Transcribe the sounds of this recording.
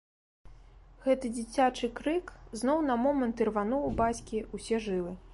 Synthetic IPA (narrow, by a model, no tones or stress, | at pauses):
ɣɛt̪ɨd͡zʲit͡sʲat͡ʂɨkɾɨkznɔwnɐmɔmɐnt̪ɨrvanɔwbat͡sʲkʲiusʲɛʐɨlˠɨ